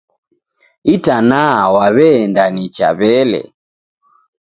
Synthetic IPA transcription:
itanawaβɛːndanit͡ʃa̰βɛlɛ̰

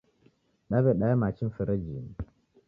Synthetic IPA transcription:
ɗabeɗajamat͡ʃinfəɾəd͡ʒin

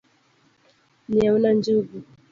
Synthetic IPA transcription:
niaunand͡ʒuɡu

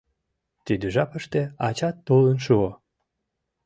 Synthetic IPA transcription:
t̪yd̪əʒɑpəʃt̪eɑt͡ɕɑt̪ːolənʃuo

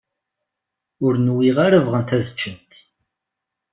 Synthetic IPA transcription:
ʊɾnwiʁaɾəvʁənt̪æðət͡ʃːənt̪

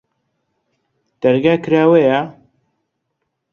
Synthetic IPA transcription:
d̪̥ɐɾɡaːkɨɾaːweja

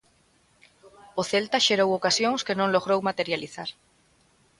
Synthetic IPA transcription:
oθelt̪aʃeɾowokasjoŋskenõŋloɣ̞ɾowmat̪eɾjaliθaɾ

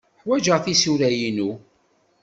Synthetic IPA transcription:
ħwæd͡ʒəʁθisuɾæjinu

